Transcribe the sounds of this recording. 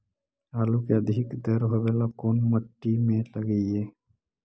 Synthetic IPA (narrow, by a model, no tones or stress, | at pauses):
aːlukeəd̪ʱɪkd̪əɾɦoʋelakoːnməʈːimẽləɡəieː